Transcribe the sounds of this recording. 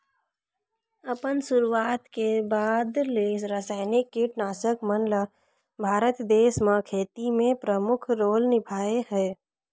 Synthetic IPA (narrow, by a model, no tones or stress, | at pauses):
əpənsʊɾuwaːt̪kebaːd̪leɾəsaːɪnɪkːiʈnaːsəkmənla | bʱaːɾət̪d̪eːsmãkʰeːt̪imẽpɾəmʊkʰɾoːlnɪpʰaːeɦɛː